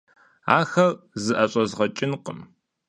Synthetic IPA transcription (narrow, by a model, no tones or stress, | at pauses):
a̰ːxɐrzɨʔɐɕʼɐzʁɐt͡ʃʼɪnqʼəm